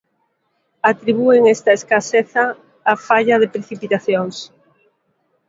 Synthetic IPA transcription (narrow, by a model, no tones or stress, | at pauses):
at̪ɾiβ̞ueŋest̪ɐeskaseθɐː | faʎɐðepɾeθipit̪aθjoŋs